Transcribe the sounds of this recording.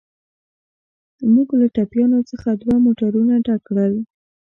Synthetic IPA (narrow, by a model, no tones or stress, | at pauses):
muɡlaʈapjɑnot͡səxad̪wamoʈaɾunaʈakɽəl